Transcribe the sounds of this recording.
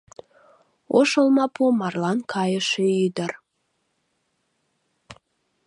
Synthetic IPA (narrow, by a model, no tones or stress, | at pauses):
oʃəlmɑpumɑrlɑnkʰɑjəʃeyd̪ər